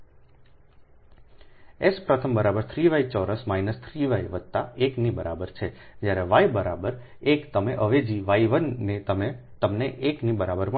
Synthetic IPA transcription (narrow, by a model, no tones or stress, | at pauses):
espɾət̪ʰəmbəɾabəɾt̪ʰɾiʋait͡ʃɔɾəsmajnəst̪ʰɾiʋajʋəd̪̚t̪aeknibəɾabəɾt͡ʃʰed͡ʒjaɾeʋajbəɾabəɾ | ekt̪əmeʔəʋed͡ʒiʋaiʋənːeəme | t̪əmneʔeknibəɾabəɾm